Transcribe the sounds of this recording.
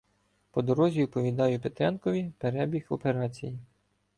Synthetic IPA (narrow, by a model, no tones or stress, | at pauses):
pɔd̪ɔɾɔzʲiwpɔʋʲid̪ɑjʊpet̪ɾʲɑnkɔʋʲipeɾɛbʲixɔpe̞ɾɑt͡sʲiji